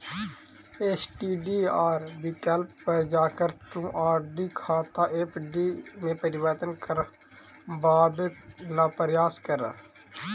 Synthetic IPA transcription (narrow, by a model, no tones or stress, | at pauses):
eːt͡ʃʈiːɖiːaːɾbiːkɛlppəɾd͡ʒaːkəɾt̪ũːʔaːɾɖiːkʰaːt̪aːʔeːpʰɖiːnẽːpəɾɪʋəɾt̪ənkəɾ | baːbenaːpəɾjaːskəɾa̰